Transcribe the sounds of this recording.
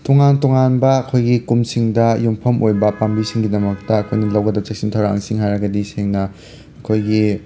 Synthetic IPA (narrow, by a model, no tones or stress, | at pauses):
toŋantoŋanbɐːkʰojɡikumsiŋdɐjumpʰɐmʔojbɐpambisiŋɡidɐmɐk̚tɐɐkʰojnɐlɐwɡɐdɐt͡ʃek̚sintʰawɾaŋsiŋhajɾɐɡɐdiseŋnɐ | ɐkʰojɡi